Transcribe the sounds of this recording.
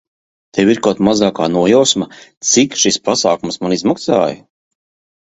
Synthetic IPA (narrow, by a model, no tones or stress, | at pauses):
t̪ewiɾkaːt̪mazaːkaːnuɔjawsmat̪sikʃispasaːkumsmanizmaksa̰ːj